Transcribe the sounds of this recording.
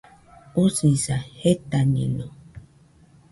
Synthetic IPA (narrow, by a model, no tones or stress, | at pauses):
usĩsahet̪anḭ̃nõ